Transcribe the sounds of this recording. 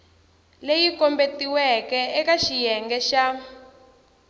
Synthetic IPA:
lejikɔmbetiwɛkɛɛkaʃijɛŋɡɛʃa

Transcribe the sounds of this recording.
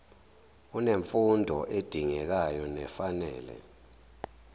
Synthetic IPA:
uneɱfundʱɔʔed̥ʱiŋɛk̬ajɔnɛfanɛ̰ːlɛ̰

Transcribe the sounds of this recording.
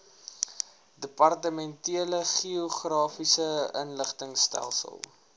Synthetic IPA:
dəpɐrtəmɛntiələχioχrɑːfisəənləχtəŋstæ̰lˠsə̰lˠ

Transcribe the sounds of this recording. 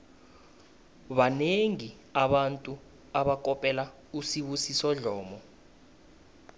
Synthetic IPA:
ɓaneŋi | aɓantʼu | aɓak̬ʼɔpʼɛla | usiɓusisɔɮɔːmɔ

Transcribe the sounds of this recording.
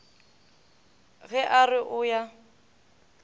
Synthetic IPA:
ɣɛʔarɪʔʊja

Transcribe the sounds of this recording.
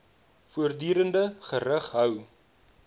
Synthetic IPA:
fuərdyːɾəndəχəɾəχɦœw

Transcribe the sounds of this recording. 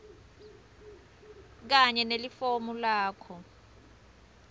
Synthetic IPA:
k̬aɲɛnelifomulaːkʰɔ

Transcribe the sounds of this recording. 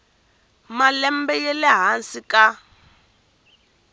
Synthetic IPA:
malɛmbɛjɛlɛɦansika

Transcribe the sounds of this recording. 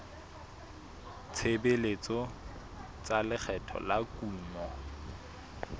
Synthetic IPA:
t͡sʰebelet͡sɔ | t͡salɪk͡xʰɛtʰɔ̰lakuːmɔ

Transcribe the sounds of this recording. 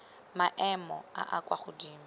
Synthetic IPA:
maʔɛmɔa̰ʔakʼwaχʊdiːma

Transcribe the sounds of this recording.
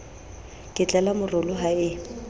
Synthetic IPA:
kʼɪt͡ɬʼɛlamʊrʊlʊɦaɪ

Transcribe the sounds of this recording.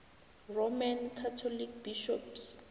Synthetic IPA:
romankʰatʰɔlik̚biʃɔps

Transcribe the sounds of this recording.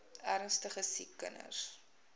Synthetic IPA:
æɾənstəχəsikːə̰nə̰s

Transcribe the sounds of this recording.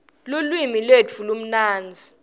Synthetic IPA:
lulwimilwet͡fʰulum̩naːnd͡zʱi

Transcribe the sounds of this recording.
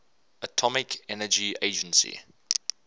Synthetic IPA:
ətʰɔmɪkʰɛnəd͡ʒieɪd͡ʒə̃nsḭ

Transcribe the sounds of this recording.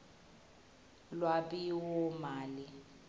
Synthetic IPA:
lwaɓiwɔmaːli

